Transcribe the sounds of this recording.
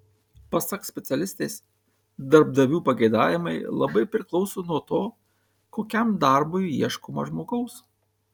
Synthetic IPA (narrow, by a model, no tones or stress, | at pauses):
pɐsɐksʲpʲɛt̪sʲɛlʲɪsʲt̪ʲeːs | d̪ɐɾb̚d̪ɐʋʲuːpɐɡɐɪd̪ɑːjʲɪmɐɪlˠɐ̰bɐɪpʲɾʲɪklˠɒʊsoːnuɔt̪oː | koːkʲɛmd̪ɑˑɾbʊɪiɛʃkoːmɐ̰ʒmoːɡɐʊs